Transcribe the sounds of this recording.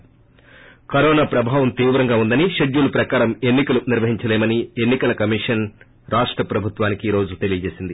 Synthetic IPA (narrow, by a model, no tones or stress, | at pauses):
kɐɾoːnaːpɾɐbʱaːʋɐmt̪iːʋɾɐŋɡaːund̪ɐniʃɐɖjuːlupɾɐkaːɾɐme̞nːikɐluniɾʋɐɦiɲt͡ʃɐlɛːmɐnie̞nːikɐlɐkɐmiʂɐn | ɾaːʂʈɾɐpɾɐbʱut̪ʋaːnikiːɾo̞ːd͡ʒut̪e̞lijɐd͡ʒe̞ːsind̪i